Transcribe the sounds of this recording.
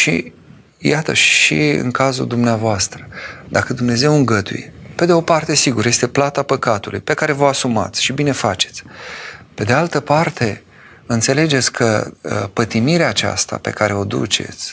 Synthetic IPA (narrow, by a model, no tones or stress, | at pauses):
ʃḭ | jat̪ə̰ʃḭɨ̰ŋkazṵld̪umneavoast̪ɾəd̪akəd̪umne̞ze̞wɨŋɡət̪ṵjḛpe̞d̪eo̞part̪e̞siɡuɾje̞st̪e̞plat̪apəkat̪ulṵjpe̞kaɾe̞vəasuma̰t̪sʲʃibine̞fat͡ʃe̞̥t̪sʲpe̞d̪ealt̪əpart̪e̞ | ɨnt̪se̞le̞d͡ʒe̞t̪sʲkʰə̰pət̪imiɾeaːt͡ʃa̰st̪a̰pe̞̰kaɾe̞o̞d̪ṵt͡ʃe̞̰t̪sʲ